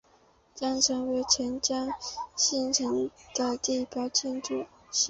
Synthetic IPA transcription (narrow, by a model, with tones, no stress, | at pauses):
t͡ɕjɑ˥ŋʈ͡ʂʰə˧˥ŋwe˧˥ɪʈ͡ʂʰɛ˧˥nt͡ɕjɑ˥ŋɕi˥˩nʈ͡ʂʰə˧˥ŋk̪a˨˩ɪt̪i˥˩pjɑ˧˥ʊt͡ɕʰjɛ˥˧nʈ͡ʂu˥˩ | ɕ